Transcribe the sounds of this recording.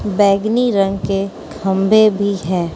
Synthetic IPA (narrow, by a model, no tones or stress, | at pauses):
bɛːɡniɾə̃ŋɡke | kʰə̃mbʱebʱiɦɛː